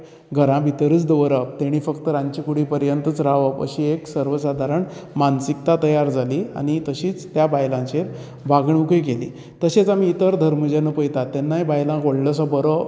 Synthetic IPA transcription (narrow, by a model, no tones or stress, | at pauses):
ɡʱəɾãbʱit̪əɾəːt͡sd̪əʋəɾəp̚t̪eɽ̃iːfəkt̪əɾãɲt͡ɕikuɽiːpəɾjənt̪ət͡sɾaʋəpə̰ɕieksəɾʋəsad̪ʱaɾəɳmansikt̪at̪əjaɾd͡zʱaliːa̰ɽ̃it̪əɕiːt͡st̪jabajlãɲt͡ɕeɾ | bʱaɡɳəʋkəjkelḭː | t̪əɕet͡samiːt̪əɾd̪ʱəɾməd͡ʑənəpəjt̪at̪ːenːaibajlãkoɽləsɔbəɾə